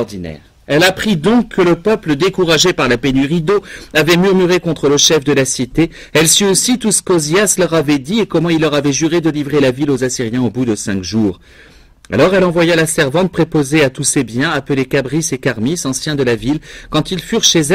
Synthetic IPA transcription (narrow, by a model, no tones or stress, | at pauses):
d̪inɛ̰ːʁ | ɛlapχid̪ɔ̃kʰːələpœpləd̪ekuʁaʒepaʁlapenyʁid̪oavɛmyʁmyʁekɔ̃t̪χələʃɛfd̪əlasit̪e | ɛlsyosit̪usə̥kozjaslœʁavɛd̪iekɔmɑ̃ilːœʁavɛʒyʁed̪əlivʁelavilozasiʁjɛ̃obud̪əsɛ̃kʒuːʁ | a̰lɔʁɛlɑ̃vwajalasɛʁvɑ̃t̪̚pχepozeat̪usebjɛ̃apəlekabʁisekaʁmisɑ̃sjɛ̃d̪əlavilkɑ̃t̪ilfyʁʃezɛ